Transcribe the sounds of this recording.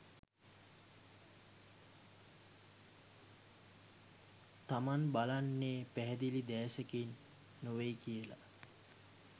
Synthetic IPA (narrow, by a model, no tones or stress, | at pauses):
t̪amanbalanːeːpæɦɛd̪ilid̪ɛːsəkinː | uʋejkijəla̰